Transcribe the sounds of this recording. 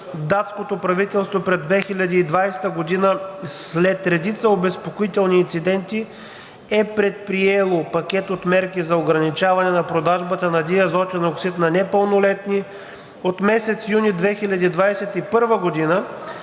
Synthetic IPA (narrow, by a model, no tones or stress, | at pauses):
d̪at̪skot̪opɾɐvit̪ɛlˠst̪vopɾɛd̪vɛxilʲɐd̪iːd̪vajsɛ̥t̪əɡod̪inəslɛt̪ɾɛd̪it̪səobɛspokoit̪ɛlˠniːnt̪sid̪ɛnt̪i | ɛpɾɛt̪̚pɾiɛlˠopɐkʲɛt̪ot̪mɛɾkizɐoɡɾɐnit͡ʃavɐnɛnɐpɾod̪aʒbət̪ənɐd̪iɐzɔt̪ʲɛnoksit̪nɐnɛpəlˠnolɛt̪ni | ot̪mɛsɛt̪sjunid̪vɛxilʲɐd̪iːd̪vajsɛt̪ipɤɾvəɡod̪inə